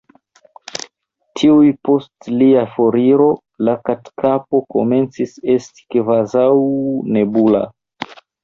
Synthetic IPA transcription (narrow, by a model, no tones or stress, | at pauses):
tʰiujpo̞stliafoɾiɾo̞ | lakatkʰapo̞ko̞̰me̞nt͡sise̞sti̥kvazawne̞bula̰